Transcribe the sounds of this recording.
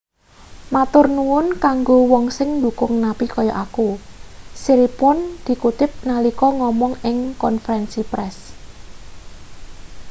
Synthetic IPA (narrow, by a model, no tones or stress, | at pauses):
mat̪ʊrnuʊnkaŋɡowɔŋsɪŋnd̪ṳkʊŋnapikɔjɔʔakusiɾipɔnd̪̥i̤kut̪ɪp̚nalikɔŋɔmɔŋɪŋkɔnfəɾɛnsipɾɛs